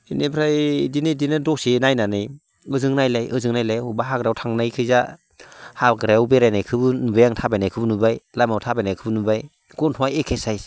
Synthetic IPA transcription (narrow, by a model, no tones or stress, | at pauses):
inepʰɾajdinɯdinɯdɔksenajnanɯj | ɯzɯŋnajlajʔɯzɯŋnajlajhubaɦaɡɾawtʰaŋnajkʰɯza | haɡɾawbeɾajnajkʰɯbɯnubajaŋtʰabajnajkʰɯbɯnubajlajmawtʰabajnajkʰɯbɯnubaj | ɡ̥ɔntʰɔajekʰesaj